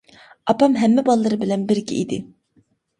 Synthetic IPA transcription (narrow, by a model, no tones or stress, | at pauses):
apamɦɛmːɛbalˠːaɾɯbilʲɛnbiɾcḭid̪ɪ̰